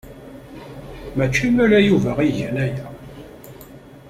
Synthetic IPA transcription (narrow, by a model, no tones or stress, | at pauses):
mæt͡ʃːimælæjuvæʁiʝənæjæ